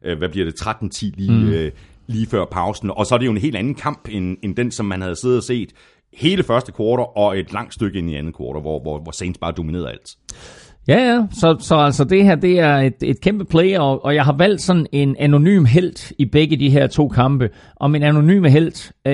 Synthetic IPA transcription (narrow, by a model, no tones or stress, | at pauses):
ʔøʋæb̥liɐd̥e̝t͡sʰʁad̥n̩t͡sʰiliː | liːfɶɐ̰pʰɑ̈ʊsn̩ɒ̽sɒɾ̥e̝jo̝e̝nɦe̝̰ːld̥ænn̩kʰɑ̈m̰b̥enend̥ensɒ̽mːænhæð̞̩ˠse̝ð̩ˠɐse̝̰ːd̥ | he̝ːləfɶɐsd̥ə̥kʰʋoːɾ̥ɐʔɒ̽e̝d̥lɑ̈ŋ̰d̥sd̥øɡ̥əe̝niænð̩ˠkʰʋɒːɾ̥ɐʋɒʋɒʋɒseɪnsb̥ɑ̈ːd̥o̝mine̝ːɐð̰ɐæ̰l̰d̥ | jæjæsɒ̽sɒ̽æl̰sɒd̥e̝hæɐ̰d̥e̝æɐe̝d̥e̝d̥kʰemb̥əpʰleɪɒ̽ʔɒ̽jɑ̈ɪɦɑ̈ʋæl̰d̥sɒ̽nn̩e̝næno̝ny̰ːmɦel̰d̥ib̥eɡ̥əd̥iɦæɐt͡sʰo̝̰ːkʰɑ̈mb̥ə | ʔɒ̽minæno̝ny̰ːməɦel̰d̥